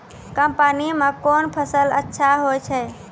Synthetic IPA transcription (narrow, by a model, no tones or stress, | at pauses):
kəmpanimãkonpʰəsələ̰tːʃʰaɦojt͡ʃʰɛ